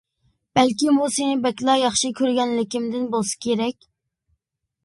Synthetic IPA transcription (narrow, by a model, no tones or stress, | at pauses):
b̥ɛlkʲimusenɪbɛkʲlˠɑjɑχʃikʲʰøɾɡʲɛnlɪkʲimd̪ɪnbolˠsɨ̥kʲʰeɾɛkʲ